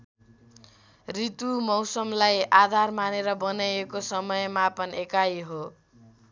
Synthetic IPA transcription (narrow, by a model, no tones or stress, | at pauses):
rit̪umʌwsʌmlajad̪ʱarmaneɾʌbʌnajekosʌmʌjmapʌnekajɦo